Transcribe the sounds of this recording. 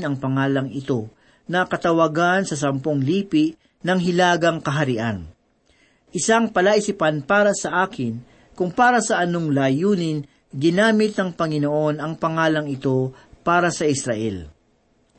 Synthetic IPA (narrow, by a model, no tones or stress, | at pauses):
nɐŋpɐŋaːlɐŋʔɪt̪o̞ | nɐkɐt̪ɐwɐɡansɐs̬ɐmpo̞ŋliːpɪʔ | nɐŋɦɪlaːɡɐŋkɐɦɐɾɪʔan | ʔɪsaŋpɐlaʔɪsɪpanpaːɾɐsɐʔaːkʰɪn | kʊŋpaːɾɐsɐʔɐnoŋlajuːnɪn | ɡɪnaːmɪt̪̚nɐŋpɐŋɪnoʔo̞nɐŋpɐŋaːlɐŋɪt̪o̞ | paːɾɐsɐʔɪsɾɐʔɛ̰l